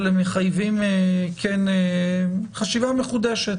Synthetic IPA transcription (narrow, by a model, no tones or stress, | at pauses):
lemeχajvimkʰene | χaʃivameχud̪eʃet̪